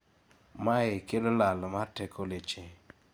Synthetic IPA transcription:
maekelolalmatɛkʰolet͡ʃe

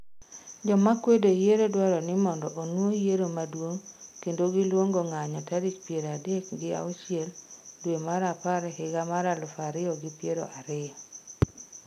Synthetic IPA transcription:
d͡ʒɔmakwedojeɾodwɔɾɔnɪmɔndɔʔonwojeɾomadwoŋkendoɡɪlwoŋɡoŋaɲɔtaɾit͡ʃpjeɾadekɡɪa̰ʊt͡ʃieldwemaɾapaɾɛhɪɡamaɾalʊfaɾɪɔɡɪpjeɾo̰ʔaɾɪɔ

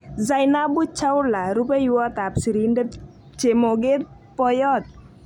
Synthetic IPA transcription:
zajnabut͡ʃʰawuɾlaɾupejuwat̪apsiɾinde | t͡ʃemoɡet̪̚ | pɔjɔt̪̚

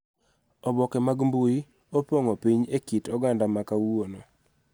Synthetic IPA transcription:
ɔbɔkɛmaɡmbuji | opoŋopiɲekitɔɡandamakawono

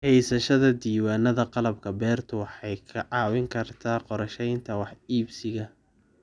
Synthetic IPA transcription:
hɛjsɐʃɐðɐd̪iːwaːnɐðɐqɑlɐb̚kʰɐbɛːrt̪ʰʊwɑħɑjkʰɐʕɑːwɪŋkʰɐrt̪ʰaːqɔɾɐʃɛjnt̪ʰɐwɑħiːbsɪɣɐ

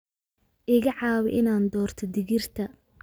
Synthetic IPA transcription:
ʔɪɣɐʕɑːwɛ̰ʔɪnaːnd̪ɔːrt̪ʰɔd̪ɪɣɪrt̪ʰɐ

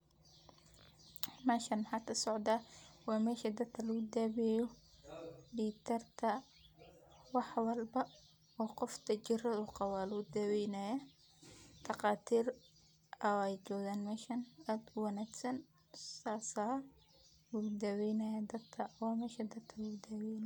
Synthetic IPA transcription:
mɛːʃɐnħɐt̪ʰɐsɔʕd̪ɐwɑːmɛːʃɐd̪ɐd̪kʰɐlɐɣʊd̪aːβɛjɔ | ɖiːt̪ʰɐrt̪ʰɐ | wɑħwɐlbɐ | ɔːqɔft̪ʰɐt͡ʃɪrɐðʊqɑwaːluːd̪ɐwɛjnaja | d̪̥ɑqɑːt̪ʰiːr | ɐɛjt͡ʃɔːɣaːnmɛːʃɐnaːd̪ʊwɑnæːksɐn | saːsaː | wud̪ɐwɛjnɐjɐd̪ɐd̪kʰɐwɑːmɛːʃɐd̪ɐd̪̚kʰɐlɐʊd̪aːwɛjn

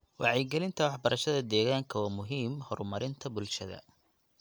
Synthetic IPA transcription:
wʔɑ̰ʕɛjɡɛlɪnt̪ʰɐwɑħbɐɾʔɐʃɐðɐd̪ɛːɣaːŋkʰɐwɑːmʊɦiːmhɔrmɐɾɪnt̪ʰɐbʊlʃɐðɐ̰

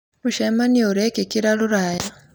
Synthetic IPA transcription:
muʃemaniouɾekekiɾaluɾaja

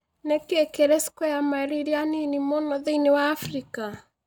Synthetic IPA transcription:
nɛkekeɾɛsi̥kɔjamaɛɾiɾjaninimɔnɔðeinewaːfɾika

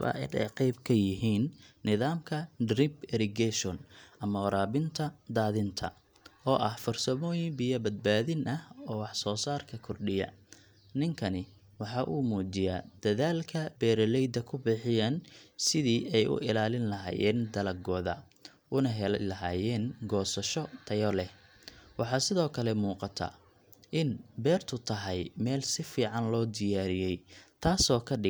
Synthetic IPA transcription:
βɐ̰ʔɪ̰nɛ̰jqɛjbkʰɐjɪɦiːnːɪðaːmkʰɐdrɪbɛɾɪɡɛʃɔnʔɐmɔɾaːβɪnt̪ʰɐd̪aːðɪnt̪ʰɐ̰ | ʔɔːʔɐhfɔrsɐmɔːjɪŋbɪjɐbɐd̪̚baːðɪnʔɐhɔːwɑħsɔːsaːrkʰɐkʰɔrɗɪjɐ̰ | nɪŋkʰɐnɪ | wɑħɑʔuːmuːd͡ʒɪjaːd̪ɐðaːlkʰɐbɛːɾɐlɛjd̪ɐkʰʊbɪħɪjaːnsɪðiːʔɛjʔʊ̰ʔɪlaːlɪnlɐɦa̰ːjɛ̰ːnd̪ɐlɐɡɔːðɐ | ʊnɐɦɛllɐɦaːjɛːnɡɔːsɐʃɔt̪ʰɐjɔlɛ | wɑħɑːsɪðɔːkʰɐlɛmuːqɑt̪ʰɐ̰ | ʔɪnbɛːrt̪ʰʊt̪ʰɐɦɐjmɛːlsɪfiːʕɑnlɔːd̪ɪjaːɾɪjɛjt̪ʰaːsɔːkʰɐɖɪ

